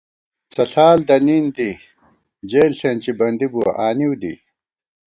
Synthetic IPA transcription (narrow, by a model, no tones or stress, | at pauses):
t͡sɐɬaːld̪ɐnind̪i | d͡ʑeːlɬent͡ɕibɐnd̪ibuɐ̰ʔaːniwd̪ḭ